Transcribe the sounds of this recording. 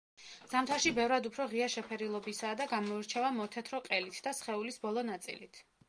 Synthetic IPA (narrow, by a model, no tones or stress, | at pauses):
z̥amt̪ʰaʃibɛvɾad̪upʰɾɔʁiaʃɛpʰɛɾilˠɔbisaːd̪aɡamɔiɾt͡ʃʰɛvamɔt̪ʰɛt̪ʰɾɔqʼɛlit̪ʰd̪asχɛulisbɔlˠɔnat̪sʼḭlit̪ʰ